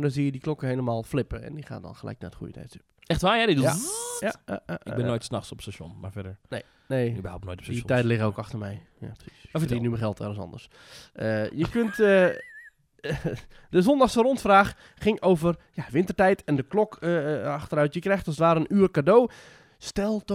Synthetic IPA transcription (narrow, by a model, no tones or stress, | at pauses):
dɔnziːjədiklokəheːləmaːlˠflɪpəɛ̰ndixa̰ːndɔ̰nxəlɛ̰jk̚na̰tχṵjətʰɛ̰jtsøpɛxtʋaːjɛdɪajaja̰a̰ɪ̰ɡbɪnːoːjtsnaxsɔpstaso̰nma̰ɹfɛdəɹne | neːbhap̚noːjtɔpstɛjdəlɪɣəowkɑxtərmɛjja̰pr̥si̥sfinyməxɛlˠtɛ̰ləsɔ̰ndəs | ʔəjəkøntə | dəzɔndaxsərontfraːxː | ɪŋoːvərjaʋɪntərtɛjtʰɛndəklɔkəaxtərœɥtjəkrɛjxtɔstʋaːɾəənyərkadoː | stɛlˠt